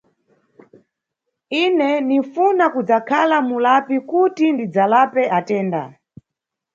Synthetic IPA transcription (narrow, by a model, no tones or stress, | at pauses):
inɛnifunakud͡zakʰalamulapikutindid͡zalapɛatɛːnda̰